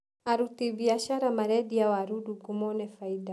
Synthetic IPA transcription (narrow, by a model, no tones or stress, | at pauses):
aɾut̪ibiaʃaɾamaɾɛdiawaɾuduɡumɔnɛfaida